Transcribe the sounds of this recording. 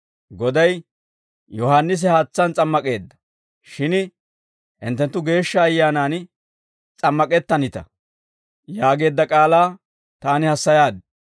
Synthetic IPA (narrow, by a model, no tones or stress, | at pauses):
ɡɔd̪ɐj | jɔhaːnːɪs̬ɪhaːt͡sːɐnt͡sʼɐmːɐkʼe̞ːd̪ːɐ̥ | ʃɪn | ʔɪ̰nt̪ːɛnt̪ːʊɡe̞ːʃːɐːjːaːnaːn | t͡sʼɐmːɐkʼɛt̪ːɐnɪt̪ɐ̰ | jaːɡe̞ːd̪ːɐkʼaːlaː | t̪aːnɪhɐsːɐjaːd̪ɛ